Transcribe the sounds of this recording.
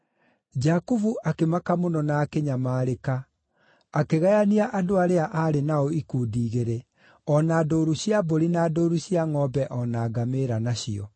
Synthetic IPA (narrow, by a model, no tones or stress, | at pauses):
d͡ʒakuvuʔakemakamonɔnakeɲamaːɾekaː | keɣajaniaʔadoaɾeaʔaɾenaɔikuːdiːɣeɾe | ɔnaːdoːɾuɕiaboɾinaːdoːɾuɕiaŋɔbɛʔɔnaːɡameɾanaɕiɔ